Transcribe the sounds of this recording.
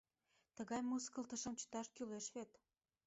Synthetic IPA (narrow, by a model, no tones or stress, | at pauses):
t̪ə̆ɣɑjmuskəlt̪ə̆ʃə̆mt͡ɕə̥t̪ɑʃkyleʃβet̪